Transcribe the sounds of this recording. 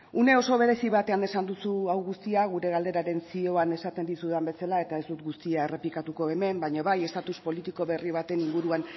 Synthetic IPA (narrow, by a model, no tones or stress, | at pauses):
une̞o̞so̞β̞e̞ɾesiβat̪e̞ane̞sand̪usuawɣust̪iaɣ̞uɾe̞ɣald̪e̞ɾaɾe̞nsio̞ane̞sat̪e̞nd̪isuðambe̞salae̞t̪ae̞zd̪ut̪ɡust̪iaere̞plikat̪uko̞e̞me̞mbajɲoβaje̞st̪at̪uspo̞lit̪iko̞βe̞riβ̞at̪e̞niŋɡuɾuan